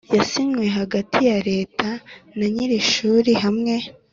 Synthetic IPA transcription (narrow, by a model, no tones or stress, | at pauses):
jasimŋwe̞ɦaɡatʰijaɾe̞ːtʰanaɲiɾiʃuːɾiɦamŋe̞